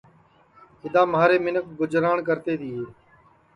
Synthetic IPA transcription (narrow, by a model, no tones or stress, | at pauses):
ɪd̪ãːmaːɾeːmɪnəkʰɡʊd͡ʒɾaːɳk̬əɾt̪eːd̪iːɦeː